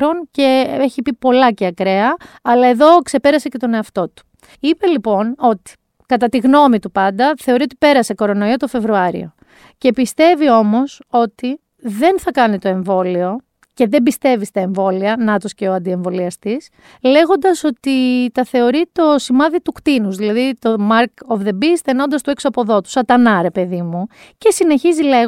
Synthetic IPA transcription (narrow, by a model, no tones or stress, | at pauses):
ɾo̞nce̞eçipipo̞lɐceɐkɾe̞ɐɐlɐeðo̞kse̞pe̞ɾɐsece̞t̪o̞ne̞ɐft̪o̞t̪u̥ | ipe̞lipo̞no̞t̪i̥ | kɐt̪ɐt̪iɣno̞mit̪upɐnd̪ɐθe̞o̞ɾiot̪̬i̥pe̞ɾɐse̞ko̞ɾo̞no̞iot̪o̞fe̞vɾuɐɾḭo̞̰ | ce̞pist̪e̞vio̞mo̞so̞t̪i | ðe̞nθɐkɐnit̪o̞e̞ɱvo̞lio̞ | ce̞ðe̞mbist̪e̞vist̪ɐe̞ɱvo̞liɐnɐt̪osce̞oɐnd̪ie̞ɱvo̞liɐst̪is | le̞ɣo̞nd̪ɐso̞t̪it̪ɐθe̞o̞ɾit̪o̞simɐðit̪ukt̪inuzðilɐðit̪o̞mɐɾkovðe̞bisθeno̞nd̪ɐst̪ue̞ksuɐpo̞ðo̞t̪u̥sɐt̪ɐnɐɾe̞pe̞ðimuce̞sine̞çizile